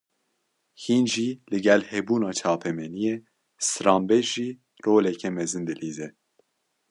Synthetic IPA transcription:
hiːnʒiːlɨɡɛlhɛbuːnɑːt͡ʃʰɑːpʰɛmɛnijeː | sɨɾɑːmbɛd͡ʒʒiː | roːlɛkʰɛmɛzɨnd̪ɨliːzɛ

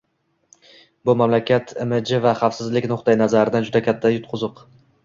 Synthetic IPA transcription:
bʊmamlakʲat̪ʰɪmɪd͡ʒɪvaχɑfsɪzlɪkʲnʊχt̪ajɪnazaɾɪd̪and͡ʒʊd̪akʲʰat̪ʰːajʊt̪̚qʰʊzɨq

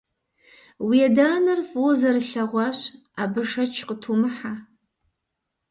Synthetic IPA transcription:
wijɛdaːnɐrfoːzɐrɨɬɐʁʷɑːɕ | abɨʂɐt͡ʃʰqətʰumɨħa

